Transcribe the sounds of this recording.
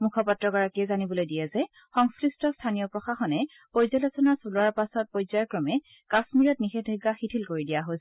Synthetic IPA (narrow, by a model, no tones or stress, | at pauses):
mukʰɔpatɹɔɡɔɹakiɛzanibɔlojdijɛzɛ | xɔŋskɹistɔstʰanijɔpɹɔxaxɔnɛ | pɔjzalɔsɔnasulɔaɹpasɔt̚pɔjzajkɹɔmɛ | kasmiɹɔtnixɛdʱɔɡːaxitʰilkoɹidijaɦos